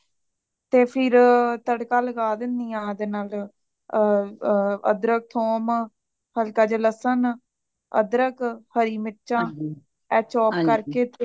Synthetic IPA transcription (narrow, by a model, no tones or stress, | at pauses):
t̪eːpʰɪɾt̪əɽkãːləɡaːd̪ɪnd̪iːãːd̪eːnaːl | ə̰d̪ɾək̚t̪ʰoːm | həlkaːd͡ʒələsən | ə̰d̪ɾəkhəɾiːmɪt͡ʃãː | ɛːt͡ʃɔːpkəɾkeː